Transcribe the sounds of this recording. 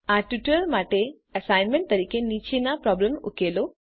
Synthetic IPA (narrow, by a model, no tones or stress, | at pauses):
aːʈiʈɐɾɐlmaːʈe | ɐsaːjnmeɳʈ̚t̪ɐɾikeːniːt͡ʃinaːpɾaːblemo̰kːeːloː